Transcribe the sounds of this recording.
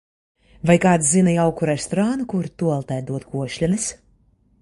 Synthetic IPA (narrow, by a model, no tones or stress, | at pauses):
vajkaːt̪szinɐjawkuɾɛst̪ɔɾanukuɾt̪uɔlˠt̪ɛjd̪uɔt̪kuɔʃlʲɛnis